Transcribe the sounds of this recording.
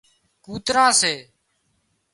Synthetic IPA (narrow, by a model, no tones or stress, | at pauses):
kuːt̪ɾãːseː